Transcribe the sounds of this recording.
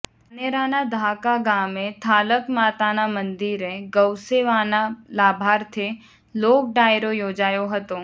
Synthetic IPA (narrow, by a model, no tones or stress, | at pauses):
neɾaːnad̪ʱaːkaɡãːmẽt̪ʰaːləkmaːt̪aːnamɐ̃nd̪iɾẽɡɐwseʋaːnalaːbʱaːɾt̪ʰe | loːk̚ɖaːjɾojoːd͡ʒaːjoɦɐt̪oː